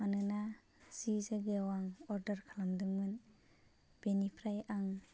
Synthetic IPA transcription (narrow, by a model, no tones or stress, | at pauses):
manɯna | zizaɡeawaŋɔɾdaɾkʰalamdɯŋmɯn | b̥enipʰɾajaŋ